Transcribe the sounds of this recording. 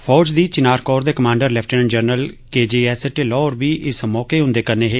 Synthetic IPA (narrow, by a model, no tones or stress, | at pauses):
fpʰɔːd͡ʒd̪iːt͡ʃɪnaːɾkɔːɾd̪eːkəmãːɳɖəɾlɛːpʰʈənnd͡ʒəɾnəlkeːd͡ʒeːɛːsʈeːlɔːɾbiːʔɪsmɔːkeːɦʊ̃ːnd̪eːkəɾneːɦeː